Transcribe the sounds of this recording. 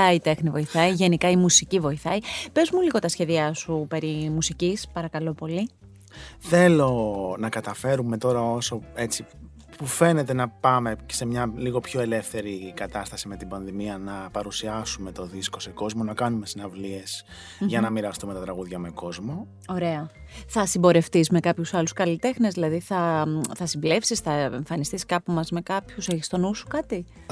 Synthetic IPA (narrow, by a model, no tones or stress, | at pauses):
ɐit̪e̞xnivo̞iθɐiʝe̞nikɐimusicivo̞iθɐibe̞zmuliɣo̞t̪ɐsçe̞ðiɐsupe̞ɾimusicispɐɾɐkɐlo̞po̞li | θe̞lo̞nɐkɐt̪ɐfe̞ɾume̞t̪o̞ɾɐo̞so̞e̞t͡si | pufe̞ne̞t̪e̞nɐpɐme̞̥se̞mɲɐliɣo̞pço̞e̞le̞fθe̞ɾikɐt̪ɐst̪ɐsime̞t̪ibɐnðimiɐnɐpɐɾusiɐsume̞t̪o̞ðisko̞seko̞zmo̞nɐkɐnume̞sinɐvlie̞s | ʝɐnɐmiɾɐst̪ume̞t̪ɐt̪ɾɐɣuðʝɐme̞ko̞zmo̞ | o̞ɾe̞ɐ | θɐsibo̞ɾe̞ft̪ismekɐpçusɐluskɐlit̪e̞xnezðilɐðiθɐθɐsimble̞fsisθɐeɱfɐnist̪iskɐpumɐzme̞kɐpçuseçist̪onusu̥kɐt̪i